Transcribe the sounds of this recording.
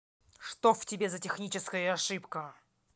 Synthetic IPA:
ʂt̪oftʲɪbʲe̞zətʲɪxnʲit͡ɕɪskəjəɐʂɨpkə

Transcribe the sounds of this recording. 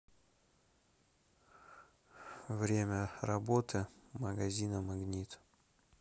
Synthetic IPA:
vɾʲemʲərɐbot̪ʰɨməɡɐzʲinəmɐɡnʲit̪

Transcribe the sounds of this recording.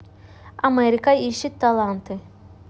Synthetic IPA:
ameɾikaiʃit̪ʰːalˠant̪ʰɯ

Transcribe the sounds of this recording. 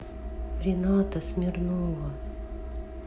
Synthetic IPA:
ɾʲɪnat̪əsmʲɪrnovə

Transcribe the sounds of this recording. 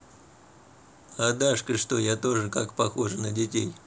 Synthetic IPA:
ɐd̪aʂkəʂt̪ojat̪o̞ʐɨkakpɐxo̞ʐɨnədʲɪtʲḛj

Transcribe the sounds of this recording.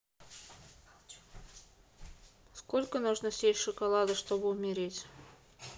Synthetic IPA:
skolʲkənuʐnəsʲetʲʂɨkɐlˠad̪əʂt̪obəʊmʲɪɾʲetʲ

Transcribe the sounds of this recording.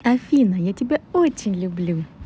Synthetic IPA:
ɐfʲinɐjatʲɪbʲɛɔt͡ɕɪnʲlʲʊblʲu

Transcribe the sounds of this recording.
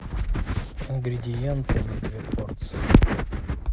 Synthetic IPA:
ɪnɡɾʲɪdʲɪjɛnt̪ɨmʲɪd̪vʲeport̪sɨjɪ

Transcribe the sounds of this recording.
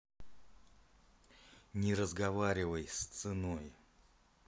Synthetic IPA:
nʲɪɾəzɡɐvaɾʲɪvəjst̪sɨnoj

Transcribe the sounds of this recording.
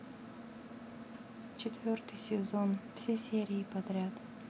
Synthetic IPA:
t͡ɕɪt̪vʲort̪ɨjsʲɪzo̞nfsʲesʲeɾʲɪːpɐd̪ɾʲat̪

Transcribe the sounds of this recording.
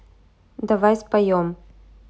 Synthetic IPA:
d̪avajspajɔm

